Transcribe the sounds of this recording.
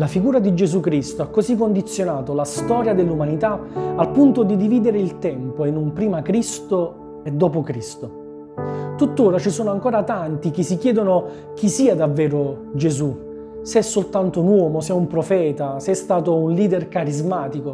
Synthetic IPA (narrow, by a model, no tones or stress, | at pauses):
lafiɡuːɾad̪id͡ʒezukɾist̪oakːozikːond̪it̪sːjonaːt̪olast̪ɔːɾjad̪elːumanit̪aalpunt̪od̪id̪iviːd̪eɾeilt̪ɛmpoenːumpɾiːmakɾist̪o | ɛd̪ːɔːp̬okɾist̪o | t̪ut̪ːoːɾat͡ʃisoːnoaŋkoːɾat̪ant̪ik̟ɪsːikjɛːd̪ono | k̟isiːad̪avːɛːɾo | d͡ʒezu | seɛsːolt̪ant̪ounwɔːmosɛumpɾofɛːt̪aseɛst̪aːt̪ounliːd̪erkaɾizmaːt̪iko